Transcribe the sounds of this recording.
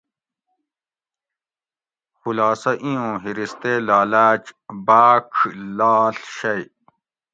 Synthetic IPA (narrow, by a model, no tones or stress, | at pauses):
xulaːsɐʔĩõːɦiɾist̪eːlaːlaːt͡ɕbaːkʰlaːɬɕɐj